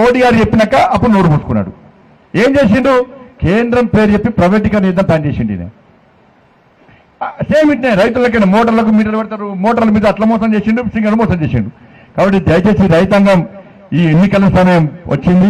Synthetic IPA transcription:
oːʈiɡaːɾit͡ʃepːinɐkːɐɐpːuɽunoːɾupuːsu̥kunːa̰ːɽu | e̞ːmt͡ʃe̞ːs̬iɳɖukeːnd̪ɾɐmpe̞ːɾut͡ʃepːipɾɐʋeʈ̬ːikɐɾniːd̪ɐnt̪aːnt͡ʃeːsiɳɖḭnḛ | seːmiʈneɾɐjt̪̬ulːɐk̬ːɐnɐmɔːʈ̬ɐɾlɐk̬umiːʈ̬ɐlupɛɽt̪aːɾumɔːʈɐɾlɐmiːd̪ɐːʈlɐːmɔːsɐmt͡ʃeːsiɳɖusiŋɡɐɾumɔːsɐmt͡ʃeːsḭɳɖu | kaːbɐʈ̬ːid̪ɐjɐt͡ʃe̞ːsiɾɐjt̪̬ɐŋɡɐm | iːenːikɐlɐsɐmɐjɐmʋʔɐ̰t͡ʃːind̪i

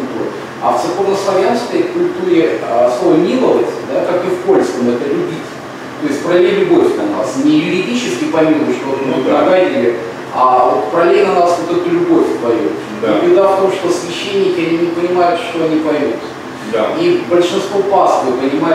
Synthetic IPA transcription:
lʲt̪uɾə̰ | ɐ̰ft̪sɨkornəslˠɐvʲanskəjkʊlʲt̪uɾʲɪəslˠo̞vəmʲilˠəvəsʲtʲd̪akakɨfpo̞lʲskəmɛd̪əlʲʊbʲitʲ | t̪o̞ɪsʲtʲpɾɐlʲelʲʊbo̞fʲnɐnasnʲɪjʊɾʲɪdʲit͡ɕɪskʲɪpɐmʲilʊʂt̪onmɨpɐɡadʲɪlʲɪ | avot̪̚pɾɐlʲenɐnasvot̪ɛt̪ʊlʲʊbo̞fʲpɐjʲṵt̪ | d̪ibʲɪd̪aft̪o̞mʂt̪osvʲɪɕːenʲːɪkʲɪɐnʲinʲɪpənʲɪmajʊt̪ʂt̪o̞ɐnʲipɐjmut̪ | d̪aibəlʲʂɨnst̪vo̞pasəvɨpənʲɪma

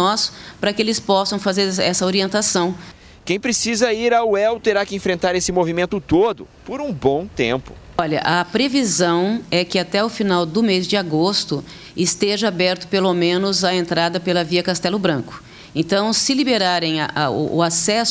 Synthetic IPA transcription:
ɔspɾɐkɪelɪspɔsɐ̃w̃fazeɾɛsɐoɾiẽnt̪asɐ̃w̃ | kẽj̃pɾesizɐiɾauɛwt̪eɾakɪẽfɾẽnt̪aɾesɪmovimẽnt̪ʊt̪od̪ʊpoɾũbõw̃t̪ḛ̃mpʊ̥ | ɔʎɐ̰ʔɐpɾevizɐ̃w̃ɛkɪat̪ɛʊfinawd̪ʊmezd͡ʒɪaɡost̪ʊ | ɪst̪eʒɐabɛɾt̪ʊ̥pelomẽnʊzɐẽnt̪ɾad̪ɐpelɐviɐkast̪ɛlʊbɾɐ̃kʊ̥ | ẽt̪ɐ̃w̃sɪlibeɾaɾẽj̃ɐʔʔʊ̰asɛs

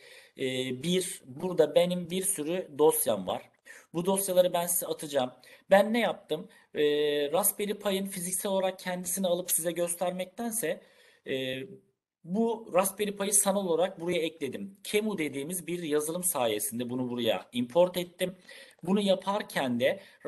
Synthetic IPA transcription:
biɾbuɾd̪abe̞nimbiɾsyɾyd̪o̞sjanva̰ɾ̥ | bud̪o̞sjalˠaɾɯbænsizɛat̪ʰɯd͡ʒaːmbænːɛjap̚t̪ʰɯmː | ɾasbe̞ɾipʰajɯnfizicsæɛlʲolˠaɾak̚cʰɛnd̪isinialˠɯpsizɛɟø̞st̪ʰæɾmɛc̚t̪ʰænsɛː | buɾaspe̞ɾipʰajɯsanalolˠaɾak̚buɾajaɛclʲe̞d̪imcʰe̞mud̪e̞d̪iːmizbiɾjazɯlˠɯmsaːje̞sind̪ɛbunubuɾaja̰impʰo̞ɾt̪ʰɛt̪ːimbunujapʰaɾcʰænd̪ɛ

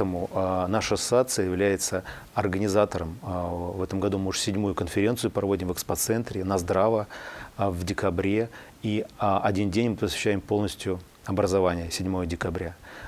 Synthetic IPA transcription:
əmʊnaʂəsat̪sɨjəjɪvlʲæjɪt̪sə | ɐrɡənʲɪzat̪əɾəmvɛt̪əmɡɐd̪umɨuʂsʲɪdʲmujʊkənfʲɪɾʲe̞nt̪sɨjʊpɾɐvo̞dʲɪmvɨkspɐt̪sɛnt̪ɾʲɪnɐzd̪ɾavə | vdʲɪkɐbɾʲe̞ | iɐdʲindʲenʲmɨpəsvʲɪ̥ɕːæjɪmpolˠnəsʲtʲjʊ | ɐbɾəzɐvanʲɪjəsʲɪdʲmo̞jədʲɪkɐbɾʲa

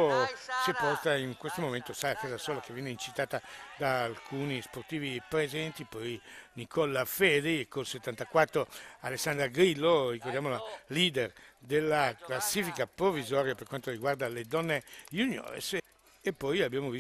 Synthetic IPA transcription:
sepɔrt̪aiŋkwest̪omoment̪osalakaːzasɔːlakevjɛneint͡ʃit̪aːt̪ad̪aːlkʰuːnisport̪iːvipɾezɛnt̪ipɔjnikʰɔlːafɛd̪ekːolset̪ːant̪akwat̪ːɾoa̰lesːand̪ɾaɡɾilːorikord̪jamolaliːd̪erd̪elːaklasːiːfikapɾovizɔːɾjaperkwant̪oɾiɡward̪aled̪ɔnːejunjɔ̰ːɾ̰s | epːɔjabːjaːmovi

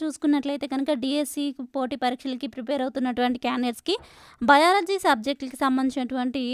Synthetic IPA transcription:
t͡ʃuːsu̥kunːɐʈlɐjt̪eːɡɐnukɐɖiesipoːʈipɐɾiːkʂɐlɐkipɾipeːɾɐwut̪unːɐʈuʋɐɳʈikjaːneɾski | bɐjaːɾɐd͡ʒisɐb̚d͡ʒek̚ʈlkisɐmbɐnd̪ʱit͡ʃinɐʈuʋɐɳʈi

